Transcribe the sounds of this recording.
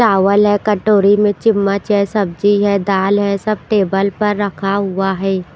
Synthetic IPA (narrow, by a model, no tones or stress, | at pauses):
t͡ʃaːʋəlɦɛkɐʈoːɾimẽt͡ʃɪmːət͡ʃɛsɐb̚d͡ʒiɦɛd̪aːlɦɛsɐb̚ʈeːbəlpɐɾːɐkʰaɦʊaɦɛː